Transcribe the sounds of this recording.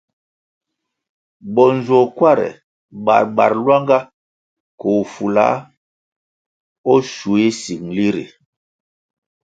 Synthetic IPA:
bɔ˨n˨zɔ˨kwa˦˨ɾɛ̰˨ | ba̰˨ɾba˨ɾlwa˦ŋɡa˦ | ko˨fu˨la̰˦ | ɔ˦ʃu˨e˦si˨ŋli˦ɾḭ˨

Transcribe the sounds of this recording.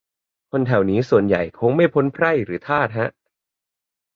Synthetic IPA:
kʰo˧nt̪ʰɛ˨˩wniː˦˥su˨˩ənja̰˨˩jkʰo˧ŋma˥˩jpʰo˦˥npʰɾa˥˩jɾɯː˩˦t̪ʰaː˥˩t̪̚ɦa˦˥ʔ

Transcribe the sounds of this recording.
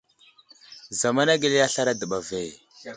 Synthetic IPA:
za˨ma˦na˦ɡi˨le˦ja˦ɬa˦ɾa˦də˨ɓa˨ve˦˨

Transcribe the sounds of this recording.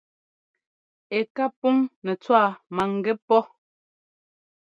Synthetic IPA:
e˨ka˦pu˦ŋnɛ˨t͡swa˦˨ma˨ŋ˨ɡɛ˦pɔ˦

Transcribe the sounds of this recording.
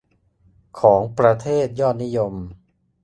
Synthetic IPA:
kʰɔː˩˦ŋpɾa˧t̪ʰeː˥˩t̪̚jɔː˥˩t̪̚ni˦˥jo˧m

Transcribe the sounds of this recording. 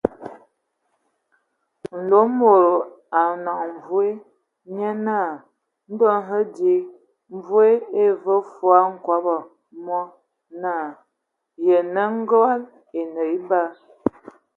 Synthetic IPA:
n̩˨lo˨˦mo˨ɾo˨ | a˨na˨ŋɱ˨vu˦e˦ | ɲə˦na˦˨ | n̩˦dɔ˦nɦə˦di˦ | m˦˨vu˦e˦e˦və˦fwa˦ŋ̩˦˨kwa˦bə˨ | mɔ˦ | na˦˨ | jə˨nə˦ŋ̩˦ɡa˦l | e˨nə˨i˦ba˦

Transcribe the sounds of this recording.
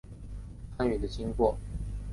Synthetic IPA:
pʰa˥ny˨˩d̪ə˦t͡ɕi˥ŋkwɔ˥˩

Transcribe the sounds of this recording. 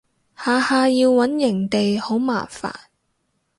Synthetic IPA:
haː˨haː˧jiː˧wːɐ˨˥njɪ˨˩ŋt̪e˨jho˨˥wmaː˨˩fa̰ː˨˩n

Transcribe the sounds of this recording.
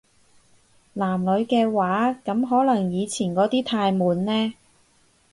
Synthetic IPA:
laː˨˩mlɵ˨˧ɥkɛː˧waː˨˥kɐ˨˧˥mɦɔː˨˥lɐ˨˩ŋjiː˨˧t͡sʰiː˨˩nkɔː˨˥t̪iː˥t̪ʰaː˧jmuː˨˧nlɛː˥

